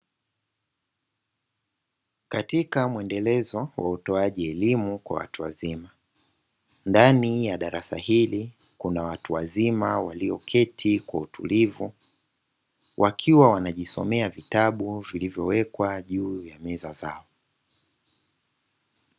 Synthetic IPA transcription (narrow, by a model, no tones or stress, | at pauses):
katikamuɛndɛlɛzɔwa̰utɔaʄiɛlimukwa̰wa̰tuwa̰zima | ndanijaɗaɾasa̰hili | kunawatuwa̰zimawaliɔkʰɛtʰikwautʰulivu | wʔakʰiwawanaʄisɔ̰mɛavitaɓuvilivjɔwɛkwaʄuːjamɛzazaɔ